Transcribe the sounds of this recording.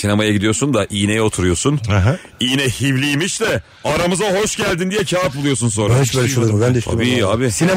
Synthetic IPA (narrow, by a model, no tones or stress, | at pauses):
sinemajaɟid̪ijo̞ɾsund̪aʔiːnejɛot̪ʰuɾujo̞sunɛɦɛ | iːnɛhivlʲiːmiʃt̪ɛ | aɾamɯzaɦo̞ʃɟælʲd̪ind̪ijɛcʰaːt̪̚bulˠujo̞suns̬o̞nɾɾaoʃbøːlʲɛʃumbænd̪eʃa̰biiːa̰ːbɪsine